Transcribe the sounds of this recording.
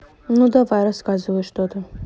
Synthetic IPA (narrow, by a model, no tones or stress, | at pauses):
nud̪ɐvajɾɐskazɨvəjʂt̪ot̪ə